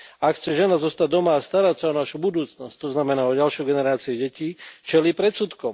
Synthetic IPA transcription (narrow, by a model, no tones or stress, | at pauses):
akxt͡sɛʒɛnazɔst̪aɟ̚d̪ɔmaːst̪aɾacsaɔnaʃubud̪uːt͡snɔsc̚t̪ɔznamɛnaːɔɟalʃɔjɡɛnɛɾaːt͡siɛɟɛciːt͡ʃɛliːpɾɛt̪sut̪kɔm